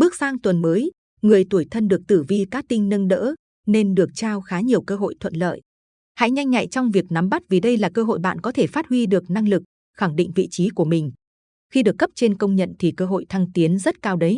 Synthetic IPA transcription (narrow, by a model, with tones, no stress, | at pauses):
ɓɨ˦˥ək̚saː˧ŋt̪wə˨˩nməː˨˦j | ŋɨ˨˩əjt̪u˧˩jt̪ʰə˧nɗɨ˨˩ək̚t̪ɨ˧˩vi˧kaː˦˥k̚t̪ï˧ŋnə˧nɗə̰ː˧˥ | ne˧nɗɨ˨˩ək̚t͡ɕaː˧wxaː˨˦ɲi˨˩əwkəː˧ɦo̰˧˨jt̪ʰwə̰˧˨nlə̰ː˧˨j | ha̰˧˥jɲa˧jŋɲa̰˧˨jt͡ɕɔ˧wŋ͡mvi˨˩ək̚na˨˦mɓa˦˥t̚vi˨˩ɗə˧jlaː˨˩kəː˧ɦo̰˧˨jɓa̰ː˧˨nkɔ˨˦t̪ʰe˧˩faː˦˥t̚hwi˧ɗɨ˨˩ək̚na˧ŋlɨ˨˩k̚ | xa˧˩ŋɗḭ˧˨ŋ̟vḭ˧˨t͡ɕi˨˦ku˧˩əmï˨˩ŋ̟ | xi˧ɗɨ˨˩əkːə˦˥p̚t͡ɕe˧nkə˧wŋ͡mɲə̰˧˨nt̪ʰi˨˩kəː˧ɦo̰˧˨jt̪ʰa˧ŋt̪i˨˦ənzə˦˥t̚kaː˧wɗə˨˦j